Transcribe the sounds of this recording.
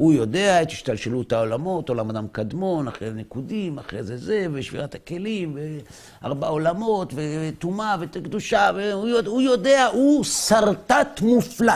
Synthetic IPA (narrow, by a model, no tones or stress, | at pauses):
hujo̞deat̪i̥ʃt̪alʃelut̪aolamo̞t̪o̞lamad̪amkad̪mo̞naχʁenekudimaχʁḛzezeveʃvḭʁathake̞limve | a̰ʁbao̞lamo̞t̪vet̪umavekd̪uʃaveujoujo̞deahusaʁtat̪mufla